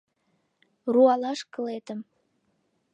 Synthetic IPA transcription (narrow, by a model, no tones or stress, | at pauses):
ruɑlɑʃkə̆let̪əm